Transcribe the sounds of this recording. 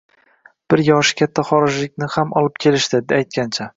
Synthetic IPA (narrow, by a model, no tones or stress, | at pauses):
b̥ɪɾjɒʃɪ̥kʲʰat̪ʰːaχɒɾɪʒlɪk̚ʲnɪhamɒlˠɪp̚kʲʰe̞lɪʃt̪ɪd̪ajt̪̚kʲʰant͡ʃʰa